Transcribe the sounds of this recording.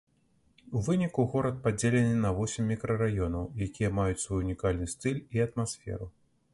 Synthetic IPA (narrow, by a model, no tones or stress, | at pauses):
uvɨnʲikuɣɔɾɐt̪̚pad͡zʲelʲɛnɨnɐvɔsʲɪmʲːikɾɐrajɔnɐwjakʲijɐmajut͡sʲsvɔjuunʲikalʲnɨst̪ɨlʲiɐt̪masfʲɛ̰ɾu